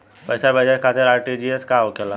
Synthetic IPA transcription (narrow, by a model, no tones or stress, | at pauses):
pɐɪsabɐd͡ʒɛt̪̚kʰaːt̪ɪɾaːɾʈid͡ʒieskaɦokɛla